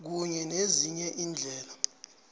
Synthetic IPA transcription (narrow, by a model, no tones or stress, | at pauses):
k̬uɲɛneziɲɛʔiːnd͡ɮʱɛːla